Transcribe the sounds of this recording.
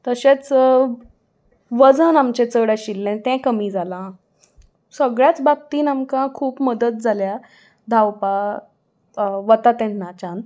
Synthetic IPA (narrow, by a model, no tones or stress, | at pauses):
t̪əɕet͡s | ʋəd͡zənamt͡ɕet͡səɽjaɕilːɛ̃t̪ɛ̃kəmiːd͡zalã | səɡɭjat͡sbab̚t̪iːnamkãkʰuːpməd̪ət̪̚d͡zʱalja | d̪ʱawpa | ʋət̪at̪ɛ̃nːat͡ɕan